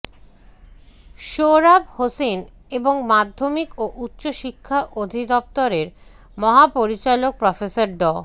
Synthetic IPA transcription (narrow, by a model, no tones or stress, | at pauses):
ʃoɾabhosen | eboŋmad̪ʱːomikoʔutːɕoʃikʰːaʔod̪ʱid̪ɔp̚t̪oɾeɾ | mɔɦapoɾit͡ɕalok̚pɾɔfesaɾɖɔ